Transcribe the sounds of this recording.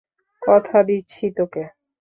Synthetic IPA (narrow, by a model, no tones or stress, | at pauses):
kɔt̪ʰad̪iːɕʰit̪oke